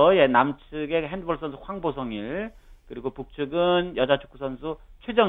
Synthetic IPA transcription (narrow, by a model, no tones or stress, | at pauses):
ʌje̞namt͡ɕʰɯɡe̞ɦendɯbʌɭs͈ʌnsʰuhwaŋbosʰʌŋiɭ | kɯɾiɡopuk̚t͡ɕʰɯɡɯnjʌd͡ʑat͡ɕʰu̥k͈ʰu̥sʰʌnsʰut͡ɕʰwed͡ʑʌŋ